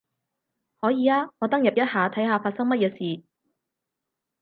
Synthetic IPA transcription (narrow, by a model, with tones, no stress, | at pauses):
hɔː˨˥jiː˨˧laː˥ŋɔː˨˧t̪ɐ˥ŋjɐ˨p̚jɐ˥t̚haː˨˧t̪ʰɐ˨˥jɦaː˨˧faː˧t̚sɐ˥ŋmɐ˥t̚jɛː˨˧siː˨